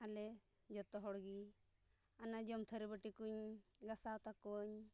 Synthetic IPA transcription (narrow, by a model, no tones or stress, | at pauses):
alɛ | d͡ʒɔt̪ɔɦɔɽɡi | anad͡ʒɔmt̪ʰəɾebəʈikuɲɡasawt̪akɔɲ